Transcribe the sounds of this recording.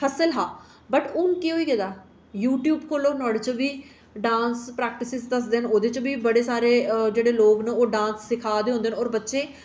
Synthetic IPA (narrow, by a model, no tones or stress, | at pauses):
pʰəsəlɦaː | bəʈʊnkiɦoːiːkɛːd̪aː | juːʈjuːbkʰoːloːnɔːɽet͡ʃobiː | ɖãːnspɾɛːk̚ʈɪsɪzd̪əsd̪eːɦənoːd̪eːt͡ʃbiːbəɽeːsaːɾeːd͡ʒeːɽeːloːknẽːoːɖãːnsːɪkʰaːd̪eːõːnd̪eːənɔːɾbətːʃeː